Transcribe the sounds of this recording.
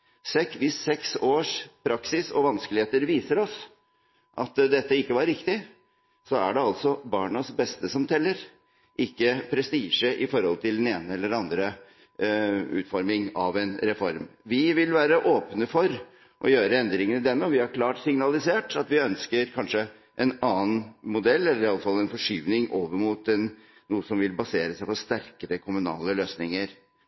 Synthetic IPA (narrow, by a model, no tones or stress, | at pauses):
sɛkʋɪsːɛksoːʂpʰɾɑksɪsɔ̰ʋɑnskəlɪheːt̪əɾʋiːsəɾɔs | ʔɑ̰t̪d̪ɛt̪ːəɪkːəʋɑɾːɪkt̪ɪ | sɔæ̰ɖɛɑlt̪sɔbɑːɳəsbɛst̪əsɔmt̪ʰɛlːəɾ | ʔɪkːəpʰɾɛst̪iːʂəʔɪfɔɾhɔ̰lt̪ʰɪld̪ɛneːnəɛlːəɖɑnd̪ɾə | ʉ̰ːt̪fɔɾmɪŋɑʋɛnɾɛfɔɾmʋɪʋɪlʋæːɾəʔoːpnəfɔɾ | ʔɔ̰jøːɾəɛnd̪ɾɪŋənəd̪ɛnːɔʋɪhɑɾkʰlɑːʈsɪŋnɑlɪseːʈɑt̪ʋɪœnskəɾkʰɑnʂə | ʔɛnɑːənmʊd̪ɛlːɛlːəɾɑlːəfɑlːɛnfɔʂyːʋnɪŋoːʋəɾmuːt̪ɛnː | uːəsɔmʋɪlbɑseːɾəsæɪpɔst̪æɾkəɾəkʰʊmʉnɑ̰ːləløːsnɪŋəɾ